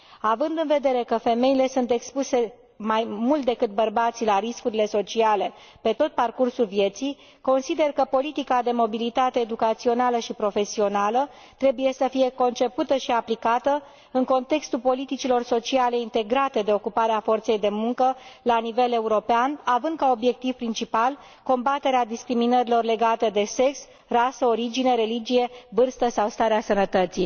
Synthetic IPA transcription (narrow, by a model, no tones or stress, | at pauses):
avɨnd̪ɨnve̞d̪e̞ɾe̞kəfe̞me̞ile̞sunt̪e̞kspuse̞ | majmult̪̚d̪e̞kɨt̪̚bərbat̪silaɾiskuɾile̞so̞t͡ʃiale̞ | pe̞t̪o̞t̪̚parkursulvje̞t̪sij | ko̞nsid̪e̞rkəpo̞lit̪ikad̪e̞mo̞bilit̪at̪e̞ːd̪ukat̪sio̞naləʃipɾo̞fe̞sio̞nalə | t̪ɾe̞buje̞səfije̞ko̞nt͡ʃe̞put̪əʃiaplikat̪ə | ɨŋko̞nt̪e̞kst̪ulpo̞lit̪it͡ʃilo̞rso̞t͡ʃiale̞int̪e̞ɡɾat̪e̞d̪e̞o̞kupaɾeafo̞rt̪se̞jd̪e̞muŋkəlanive̞le̞uɾo̞peanavɨnd̪̚kao̞bje̞k̚t̪iv̥pɾint͡ʃipal | ko̞mbat̪e̞ɾead̪iskɾiminəɾilo̞rle̞ɡat̪əd̪e̞se̞ks | rasəo̞ɾid͡ʒineɾe̞lid͡ʒije̞vɨrst̪əsawst̪aɾeasənət̪ət̪si